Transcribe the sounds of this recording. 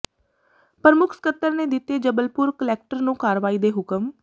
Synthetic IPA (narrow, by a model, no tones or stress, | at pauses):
pəɾəmʊkʰskət̪ːəɾneːd̪ɪt̪ːeːd͡ʒəbəlpʊɾkəlɛːk̚ʈəɾnũːkaːɾʋaːiːd̪eːɦʊkəm